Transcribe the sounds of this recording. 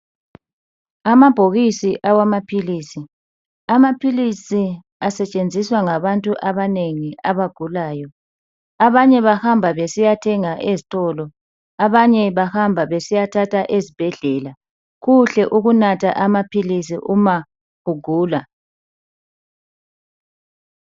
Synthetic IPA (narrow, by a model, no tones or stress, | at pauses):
amab̥ʱoɣisiʔawamapʰiliːsi | amapʰilisi | asɛt͡ʃʼend͡zʱiswaŋaβantʼuʔaβaneŋiaβaɡ̥ʱulaːjɔ | aβaɲɛβahambʱaβesijatʰɛŋaʔezitʼɔlɔ | aβaɲɛβahambʱaβesijatʰatʰaʔezib̥ʱɛɮɛla | ɣuɬɛʔuɣunatʰa̰ʔamapʰilis̬ḭʔuma | ɣ̥uɡ̥ʱuːla